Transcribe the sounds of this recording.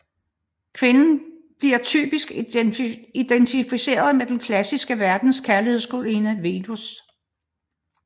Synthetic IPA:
kʰʋe̝nn̩ | b̥liɐt͡sʰy̰ːb̥isɡ̥ | id̥ent͡sʰifise̝̰ːɐð̞ˠmed̥enkʰlæsisɡ̥əʋæɐd̥n̩skʰæɐlihe̝ð̞̰ˠsɡ̥o̝linəʋe̝dus

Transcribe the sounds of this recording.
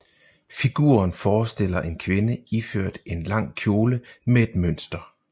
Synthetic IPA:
fiɡ̥ṵːɐnfɒːsd̥e̝l̰ɐʔe̝nkʰʋe̝nəiføɐ̰d̥e̝nlɑ̈ŋ̰kʰjo̝ːləmee̝d̥møn̰sd̥ɐ

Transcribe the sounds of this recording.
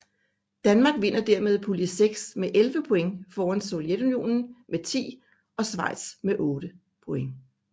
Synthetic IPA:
d̥ænmɑ̈ːɡ̥ʋe̝n̰ɐd̥æɐmeð̞ˠpʰuliseɡ̥smeʔelʋəpʰoeŋfɒːænso̝ljed̥unijo̝̰ːnn̩met͡sʰḭː | ɒ̽sʋɑ̈ɪ̰d̥smeʔɔ̽ːɾ̥ə | pʰo̝eŋ

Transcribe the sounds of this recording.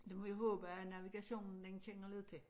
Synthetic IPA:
d̥emɒʋiɦɔ̰ːb̥əænæʋiɡ̥æɕo̝̰ːnn̩d̥ent͡ɕʰeŋ̰ɐleð̰ˠt͡sʰe̝

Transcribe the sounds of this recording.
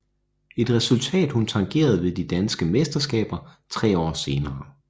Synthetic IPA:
e̝d̥ʁɛsult͡sʰɛ̰ːd̥hunt͡sʰɑ̈ŋɡ̥e̝̰ːɐð̞ˠʋe̝ðˠd̥id̥ænsɡ̥əmesd̥ɐsɡ̥ɛ̰ːb̥ɐt͡sʰʁɛ̰ːɒ̰ːse̝ːnɐː

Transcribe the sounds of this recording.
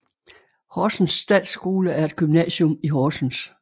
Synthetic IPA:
hɒːsn̩sːd̥ɛ̰ːd̥sɡ̥o̝ːləæɐe̝d̥̚ɡ̥ymnɛ̰ːɕɔmiɦɒːsn̩s

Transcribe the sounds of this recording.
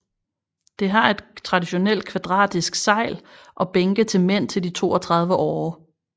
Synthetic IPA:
d̥e̝ɦɑ̈e̝d̥t͡sʰʁɑ̈diɕo̝nel̰d̥̚kʰʋæd̥ʁɑ̰̈ːd̥isɡ̥sɑ̈ɪ̰lʔɒ̽b̥eŋɡ̥ət͡sʰe̝lmen̰t͡sʰe̝ldit͡sʰo̝̰ːɒ̽t͡sʰʁɑ̈ð̞ˠʋəʔɒː

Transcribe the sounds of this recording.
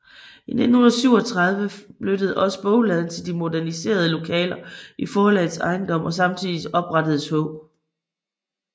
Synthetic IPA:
ine̝dn̩onˠɐsyʊ̰ɒ̽t͡sʰʁɑ̈ð̞ˠʋəb̥løɾ̥əð̞̩ˠɒ̽sə̥b̥ɔ̽ʊlɛð̞ˠn̩t͡sʰe̝ld̥imo̝dæɐnise̝̰ːɐð̞ˠəlo̝kʰɛ̰ːlɐʔifɒːɒlɛð̩ˠsɑ̈ɪnd̥ɒ̽m̰ʔɒ̽s̬ɑ̈mt͡sʰiðˠiɒ̽b̥ʁɑ̈ɾ̥əð̞̩ˠshɔ̽ʊ̰

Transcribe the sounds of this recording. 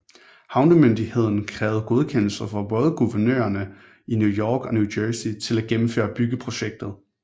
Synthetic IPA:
hɑ̈ʊnd̥əmønd̥ihe̝ð̞̰ˠn̩kʰʁɛːʊð̩ˠɡ̥o̝ð̞ˠkʰen̰l̩sɐfʁɑ̈b̥ɔːðˠəɡ̥uʋɐnø̰ːɐnə | injujɒːɡ̥ɒ̽njud̥øːsit͡sʰe̝læɡ̥emm̩fø̰ːɐb̥yɡ̥əpʰʁo̝ɕeɡ̥̚d̥ð̩ˠ

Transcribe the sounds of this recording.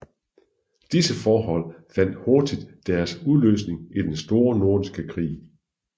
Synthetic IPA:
d̥isəfɒːɦɒ̽l̰fæn̰d̥hoɐd̥id̥ːæɐsuðˠlø̰ːsne̝ŋid̥ensd̥o̝ːɐno̝ɐd̥isɡ̥əkʰʁḭː

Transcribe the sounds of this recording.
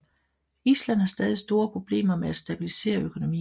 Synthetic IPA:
islæn̰ˠhɑ̈sd̥ɛːð̞ˠisd̥o̝ːɐpʰʁo̝b̥le̝̰ːmɐmeæsd̥æb̥ilise̝̰ːɐøkʰo̝no̝mḭː

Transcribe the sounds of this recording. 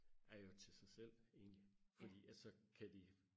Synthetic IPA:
æɐjo̝t͡sʰe̝lsɑ̈ɪsel̰e̝̰ːnlifɒ̽d̥ḭːæsɒ̽kʰæd̥i

